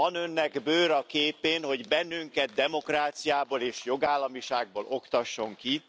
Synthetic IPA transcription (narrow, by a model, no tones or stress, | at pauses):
ɒnø̞nːɛɡbøːɾɒkeːpeːnho̞ɟbɛnːyŋkɛt̪̚d̪ɛmo̞kraːt̪sijaːboːleːʃjo̞ɡaːlːɒmiʃaːɡ̚boːlo̞kt̪ɒʃːo̞ŋki